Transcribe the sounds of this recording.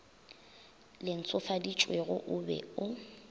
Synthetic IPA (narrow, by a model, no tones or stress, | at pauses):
lɪn̩t͡sʰʼʊfadit͡ʃʼweɣʊʔʊbɛ̰ʊ